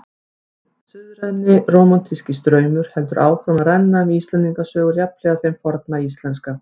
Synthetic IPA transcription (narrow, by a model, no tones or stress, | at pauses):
sʏðɾɛðnːɪroːwmant̪ʰiscɪst̪ɾœːɥmʏɾ̥hɛlt̪ʏɾʔaːwfɾɔmaðrɛnːaʏmist̪lɛnt̪ːiŋkasœːɣʏɾjaplɛɣaθejmfɔɾt̪naist̪lɛnska